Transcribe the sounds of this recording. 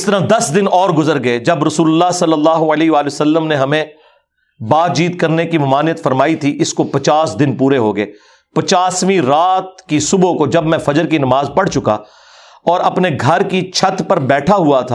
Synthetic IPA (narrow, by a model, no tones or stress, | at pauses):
ɪst̪ɐɾad̪ɐsd̪ɪnɔːɾɡʊzəɾɡɐed͡ʒɐbɾɐsuːlʊlːaɦsɐlːəlːaːɦoɐleːɦʋaːleosɐlːəmneɦɐmẽ | baːd̪̚d͡ʒiːt̪kɐɾnekimɐmaːnijət̪fɐɾmaːit̪ʰiʔɪskopɐt͡ʃaːsd̪ɪnpuːɾeɦoːɡɐeː | pɐt͡ʃaːsmĩɾaːt̪̚kisʊbokod͡ʒɐbmɛ̃fɐd͡ʒəɾkinɐmaːzpɐɽt͡ʃʊka̰ | ɔːɾɐpneɡʱɐɾkit͡ʃʰɐt̪pɐɾbɛːʈʰaɦuat̪ʰaː